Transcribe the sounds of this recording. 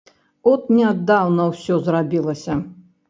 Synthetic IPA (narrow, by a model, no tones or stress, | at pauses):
ɔt̪nʲɛad̪ːawnɐwsʲɔzrabʲilˠɐsʲɐ